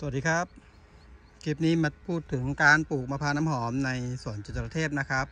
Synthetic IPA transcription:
su˨˩t̚diː˧kʰa˦˥p̚ | ki˧˩p̚niː˦˥˩ma˧˥pʰuː˥˩t̪ʰːɯ˩˦ŋkaː˧npuː˨˩k̚maː˧pʰaː˧naː˧˥mɦɔː˩˦mna˧jsu˨˩ənt͡ɕu˧˩t̪̚ːa˧pɾa˧t̪ʰeː˥˩p̚na˦˥˩kʰa˦˥p̚

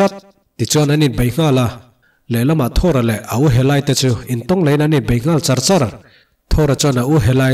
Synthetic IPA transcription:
at̪̚ | t̪i˨t͡sua˧na˨nit̪̚be˨jŋ̥a˦la | le˨lɐ˦ma˨ʔt̪ʰɔɾa˨lɛ˨ʔa˨ʔuɦɛ˨la˧jt̪et͡sui˨nt̪ɔ˦ŋle˨˦jna˨ni˨t̪̚be˨jŋ̥a˦lt͡sɐ˧ɾt͡sɐɾ | t̪ʰɔɾat͡sɔna˨ʔuɦɛ˨laj

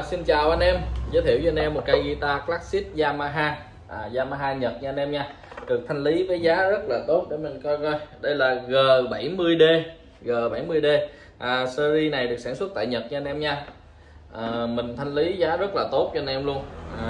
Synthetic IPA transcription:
si˧nt͡ɕaː˨˩wʔa˧nʔɛ˧mzəː˨˦t̪ʰi˧˩əwt͡ɕːa˧nʔɛ˧mːo˨˩t̚ka˧jɣi˧t̪aː˧klaː˦˥k̚si˦˥t̚zaː˧maː˧ɦaː˧ | ʔaː˨˩zaː˧maː˧ɦaː˧ɲə˨˩t̚ɲɨ˧ʔa˧nʔɛ˧mɲaː˧ | ɗɨ˨˩ək̚t̪ʰa˧jŋ̟li˨˦vəː˨˦jzaː˨˦zə˦˥t̚laː˨˩t̪o˦˥t̚ɗe˧˩mï˨˩ŋ̟kɔ˧jɣɔ˧jɗə˧jlaː˨˩ɣəː˨˩ɓa˧˩jmɨ˧əjɗe˧ | ɣəː˨˩ɓa˧˩jmɨ˧əjɗe˧ | ʔəː˨˩sə˧zi˧na˨˩jɗɨ˨˩ək̚saː˧˩nswə˦˥t̚t̪a̰ː˧˨jɲə˨˩t̚ɲɨ˧nʔɛ˧mɲaː˧ | ʔaː˨˩mï˨˩ŋ̟t̪ʰa˧jŋ̟li˨˦zaː˨˦zə˦˥t̚laː˨˩t̪o˦˥t̚t͡ɕɔ˧nʔɛ˧mlu˧ənʔ

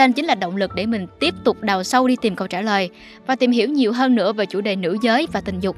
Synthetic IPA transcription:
ə˧nt͡ɕï˨˦ŋ̟laː˨˩ɗə̰˧˨wŋ͡mlɨ˨˩k̚ɗe˧˩mï˨˩ŋ̟t̪i˦˥əp̚t̪ʊ˨˩k͡p̚ɗa˨˩wsə˧wɗi˧t̪i˨˩mkə˨˩wt͡ɕaː˧˩ləː˨˩j | vaː˨˩t̪i˨˩mɦi˧˩əwɲi˨˩əwɦəː˧nːɨ̰˧˥əveː˨˩t͡ɕu˧˩ɗe˨˩nɨ̰˧˥zəː˨˦jvaː˨˩t̪ï˨˩ŋ̟zʊ˨˩k͡p̚

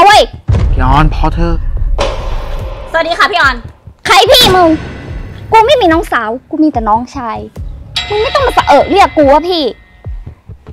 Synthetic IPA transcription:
a˧wa˧˥˩jpʰiː˧˩ʔɔː˧npʰɔː˧˥t̪ʰɤː˧˩ | sa˧˩˨t̚diː˧a˧˥˩pʰiː˥˩ʔɔː˧nkʰa˧˥˩jpʰiː˥˩mu˧ŋ | kuː˧ma˥˩jmiː˧nɔː˦˥ŋsaː˩˦wkuː˧miː˧t̪ɛː˨˩nɔː˦˥ŋt͡ɕʰaː˧jmɯ˧nm˥˩jt̪ɔ˥˩ŋbaː˨˩pːa˨˧˩ʔɤː˨˩t̪̚lɯ˦˥˨kuː˧waː˧˥˩pʰiː˥˩

